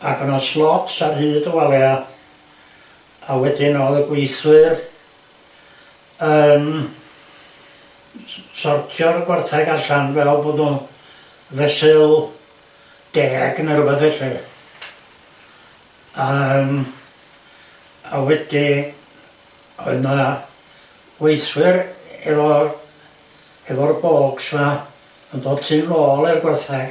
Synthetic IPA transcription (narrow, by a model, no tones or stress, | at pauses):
aɡənɔslˠɔtsarhɨːdəwalˠja | awɛdinoːðəɡwejθwɨr | əːm | sɔrtʰjɔɾəɡwarθaɡaɬanvɛlˠboːdnu | vɛsɨlˠ | d̥ɛa̰ɡnɛɾubɛθɛrɛ | am | a̰wɛd̪i | ɔ̰jna | wejswɪɾɛvɔ | ɛvɔrbɔkswa | nd̪ɔdtʰilɔlɛrɡwarθak